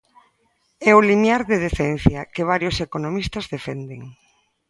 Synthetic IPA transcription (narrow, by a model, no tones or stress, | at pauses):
ɛʊlinjaɾðeðeθɛn̟θjɐkeβ̞aɾjosekonomist̪ɐzðefɛnd̪ḛŋ